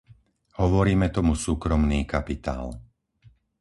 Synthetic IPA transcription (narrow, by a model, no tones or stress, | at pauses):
hɔʋɔɾiːmɛt̪ɔmusuːkɾɔmniːkapit̪a̰ːl